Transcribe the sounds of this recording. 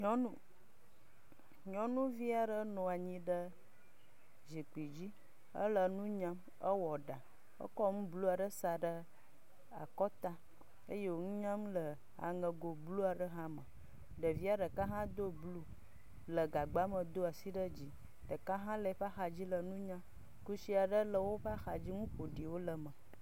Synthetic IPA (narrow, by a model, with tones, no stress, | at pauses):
ɲɔ̃˦nũ˦ | ɲɔ̃˨nũ˦vi˦a˨ɖə˦nɔ̃˨a˨ɲĩ˦ɖə˦ | d͡ʒi˨k͡pi˨d͡ʑi˦ | ə̰˦lə˨nũ˦ɲã˦m | ə˦wɔ˨ɖa˨ | ə̰˦kɔ˦m̩̃˦blu˦a˨ɖə˦sa˨ɖə˦ | a̰˨kɔ˦t̪a˦ | e˦je˦wo˦ŋũ˦ɲã˦mlə˨ | a̰˨ŋə̃˨ɡo˨blu˦a˨ɖə˦ɦã˦mə̃˨ | ɖə˨vi˦a˦ɖə˨ka˦ɦã˦d̪o˦blu˦ | lə˨ɡa˨ɡ͡ba˦mə˨d̪o˦a˨si˦ɖə˦d͡ʑi˨ | ɖə˨ka˦ɦã˦lə˨˦ɸxa˨d͡ʑi˦lə˨nũ˦ɲã˦ | ku˦si˦a˨ɖə˦lə˨wo˦ɸa˦xa˨d͡ʑi˦ŋũ˦ɸo˨ɖi˨wo˦lə˨mə˨